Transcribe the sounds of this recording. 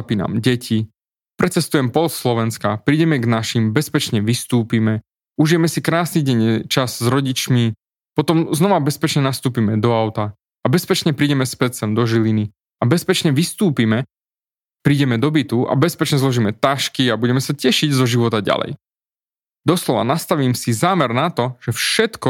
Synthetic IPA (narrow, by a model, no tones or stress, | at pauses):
piːna̰mɟɛcʰi | pɾɛt͡sɛst̪ujɛmpɔlsslɔʋɛnskapɾiːɟɛmɛɡnaʃimbɛspɛt͡ʃɲɛʋist̪uːpimɛ | uʒijɛmɛsikɾaːsniɟɛɲɛt͡ʃazzɾɔɟit͡ʃmi | pɔt̪ɔmznɔʋabɛspɛt͡ʃɲɛnast̪uːpimɛd̪ɔaʊt̪a | abɛspɛt͡ʃɲɛpɾiːɟɛmɛspɛt͡sɛmd̪ɔʒilini | abɛspɛt͡ʃɲɛʋist̪uːpimɛ | pɾiːɟɛmɛd̪ɔbit̪ua̰bɛspɛt͡ʃɲɛzlɔʒiːmɛt̪aʃkiabuɟɛmɛsacɛʃiɟzɔʒiʋɔt̪aɟa̰lɛ̰j | d̪ɔslɔʋa̰nast̪aʋiːmsizaːmɛɾnat̪ɔʒ̥ɛfʃɛt̪kɔ